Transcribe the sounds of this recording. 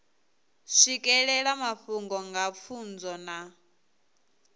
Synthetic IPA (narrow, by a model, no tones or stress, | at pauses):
ʂikʼɛɺɛɺamaɸuŋɡɔŋɡap̪fʰund͡zɔna